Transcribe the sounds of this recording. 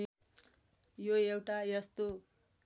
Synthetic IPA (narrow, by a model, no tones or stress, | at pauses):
joewʈajʌst̪o